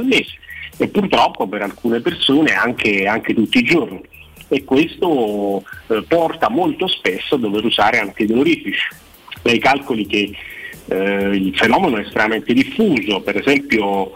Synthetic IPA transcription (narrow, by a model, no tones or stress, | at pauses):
lmeːze̥epːurt̪ɾɔpːopeɾalkuːnepersoːneaŋk̟eaŋk̟et̪ut̪ːid͡ʒorniekːwest̪o | pɔrt̪amolt̪ospesːoad̪ːoveɾuzaːɾeaŋk̟eid̪eloɾifit͡ʃi̥ | d̪ajkalkolik̟e | ilfenɔːmenoɛst̪ɾemament̪ed̪ifːuːzopeɾezɛmpjo